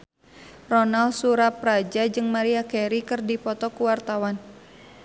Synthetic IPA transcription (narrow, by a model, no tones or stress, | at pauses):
rɔnalsuɾapɾad͡ʒad͡ʒɨŋmaɾiakɛɾikɨrdipɔt̪ɔkuwart̪awan